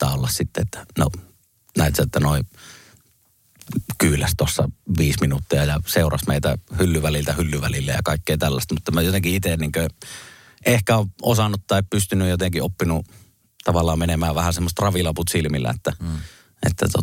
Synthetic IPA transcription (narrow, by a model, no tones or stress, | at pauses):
ɑ̰ːolːɑssit̪ːeet̪ːæ̥no̰ | næˑit̪sæet̪ːænoˑi | kyːlæst̪osːɑ̰ʋiːsminut̪ːiɑjɑseˑurɑsmeˑit̪æ̰hylːyʋælilt̪æhylːyʋælilːæ̰jɑ̰kɑˑikːeːt̪ælːæst̪mut̪ːɑmæjot̪eŋkiit̪enniːŋkø | ʔehkæoʔosɑnːut̪t̪ɑˑippyst̪ynyjjot̪eŋkiopːinu | t̪ɑʋɑlːˑɑːmmenemæːʋʋæhæsemːost̪rɑʋilɑput̪silmilːæ̰et̪ːæ | ḛt̪ːæ̰t̪o̰